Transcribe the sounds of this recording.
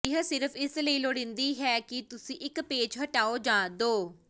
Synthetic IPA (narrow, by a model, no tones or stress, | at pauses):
ɪɦsɪɾəpʰɪsləiːloːɽɪ̃nd̪iːɦɛːkɪt̪ʊsĩːʔɪkpeːd͡ʒɦəʈaːoːd͡ʒãːd̪oː